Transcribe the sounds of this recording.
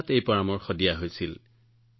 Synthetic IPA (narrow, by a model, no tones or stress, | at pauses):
tejpɔɹamɔɹxɔdijaɦojsil